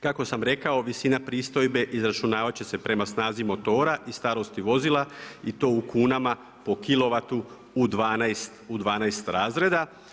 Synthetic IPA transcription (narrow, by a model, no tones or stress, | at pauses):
kako̞samɾe̞kao̞ʋisinapɾiːst̪o̞jbe̞ʔizɾat͡ʃunaːʋat͡ɕe̞se̞pɾe̞masnaːzimo̞t̪o̞ːɾaʔist̪aɾo̞st̪iʋo̞zilˠait̪o̞ːukuːnama | po̞kilo̞ʋat̪u | ud̪ʋaːnajst̪ud̪ʋaːnajst̪ɾaːzɾe̞d̪a